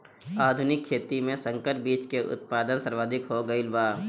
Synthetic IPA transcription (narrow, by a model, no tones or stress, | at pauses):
aːd̪ʱʊnɪkʰːeːt̪imẽsə̃ŋkəʈ̚biːt͡ʃkeʔʊ̰t̪̚paːd̪ənsɐɾʋaːd̪ʱɪkɦoɡɐilbaː